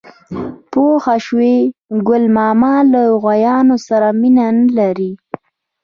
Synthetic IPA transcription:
poxaʃweɡʊlmɑmɑlaɣwajɑnosaɾaminanəlaɾi

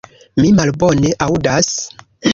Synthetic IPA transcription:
mimalbo̞ne̞ʔawdas

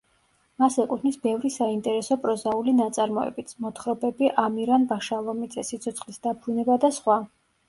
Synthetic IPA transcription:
masɛkʼut̪ʰnisbɛvɾisaint̪ʼɛɾɛsɔpʼɾɔzaulinat̪sʼaɾmɔɛ̰bit̪sʰmɔt̪ʰχɾɔbɛbiʔamiɾanbaʃalˠɔmid̪zɛsit̪sʰɔt̪sʰχlisd̪abɾunɛbad̪asχwa

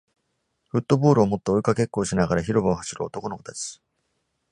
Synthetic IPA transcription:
ɸɯ̟t̪ːo̞bo̞ːɾɯ̟omo̞t̪ːeoikake̞kːoːɕinaɡaɾaçiɾo̞baohaɕiɾɯo̰t̪o̞ko̞nokot̪ae̥s

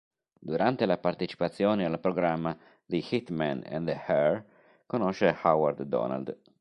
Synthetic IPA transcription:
d̪uɾant̪elapart̪et͡ʃi̥pat̪sːjoːnealpɾoɡɾamːa | d̪ixit̪mɛ̰nɛ̰nd̪əhɛɾ | konɔʃehawaɾd̪d̪ɔ̰na̰ld̪

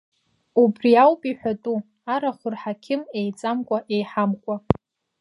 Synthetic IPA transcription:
ubriawpʼiħʷᶣatʼu | aɾaχʷʊrħakʲʰɪmejt͡sʼamkʷʼaʔejħamkʷʼa

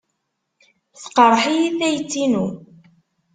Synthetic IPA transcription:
θqɑɾˤħijiθæjt͡sːinu

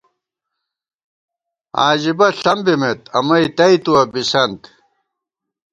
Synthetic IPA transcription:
aːd͡ʑibɐɬɐmbimet̪ɐ̰mɐit̪ɐit̪uɐbisɐnt̪

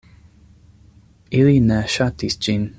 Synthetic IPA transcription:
ilinaʃat̪isd͡ʒin

